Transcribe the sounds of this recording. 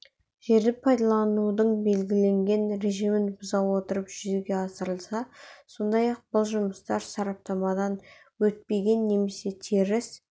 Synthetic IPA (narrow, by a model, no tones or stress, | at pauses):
ʒe̞ɾd̪ɪpʰɑjd̪ɑlˠɑnud̪əɴbe̞lɡʲɪle̞ŋɡʲe̞nɾe̞ʒimɪnbʊzɑwwo̞t̪əɾəpʒ̥ʏzeɡʲe̞ɑsəɾəlˠsɑso̞nd̪ɑjɑq̚b̥ʊlˠʒʊməst̪ɑɾsɑɾɑp̚t̪ɑmɑd̪ɑn | wɵt̪̚pe̞ɡʲe̞nːe̞me̞se̞t̪ʰeɾɪs